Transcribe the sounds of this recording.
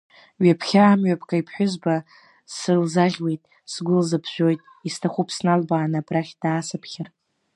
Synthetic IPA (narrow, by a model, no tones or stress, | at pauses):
ɥapʰχʲaːmɥapʰkʰʼaipʰħʷᶣʊzba | sɨlzaʁʲwe̞jtʼ | sɡʷʊlzapʰʒᶣʷo̞jtʼ | istʰaχʷupʰsnalbaːnabraχʲd̥aːsapʰχʲɪr